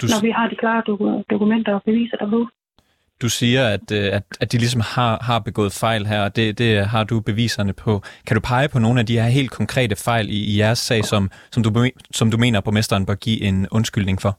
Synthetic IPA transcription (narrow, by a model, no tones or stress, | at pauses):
d̥unɒʋihɑ̈d̥ikʰlɑ̈ːd̥d̥okumen̰d̥ɐɒb̥e̝ʋḭːsɐd̥abo | d̥usiːɐæd̥æ̥æd̥ilis̬ɒ̽mhɑ̈ɦɑ̈b̥e̝ɡ̥ɔ̰̽ːð̩ˠfɑ̈ɪ̰lɦæɐ̰ɒ̽d̥e̝d̥e̝ɦɑ̈d̥ub̥e̝ʋḭːsɐnəpʰɒ̽kʰæɾ̥upʰɑ̈ɪəpʰɒ̽no̝ːn̩æd̥ihæɐɦe̝̰ːld̥̚kʰɒ̽ŋkʰʁɛ̰ːd̥əfɑ̈ɪ̰liːjæɐsːɛ̰ːsɒ̽msɒ̽mdusɒ̽md̥ume̝̰ːnɐpʰʁomesd̥ɐːnb̥ɶɐɡ̥ḭːʔe̝nɔ̽nsɡ̥yl̰ne̝ŋfɒ̽